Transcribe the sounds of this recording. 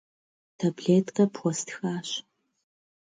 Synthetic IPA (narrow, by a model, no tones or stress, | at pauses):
tʰabɮeːtqɐpʰxʷɔstʰxaːɕ